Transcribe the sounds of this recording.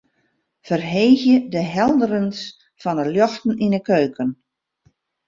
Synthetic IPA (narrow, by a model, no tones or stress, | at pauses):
fərɦeːxjədəɦɛlˠdəɾəns | fɔnəljɔxtn̩inəkøːkən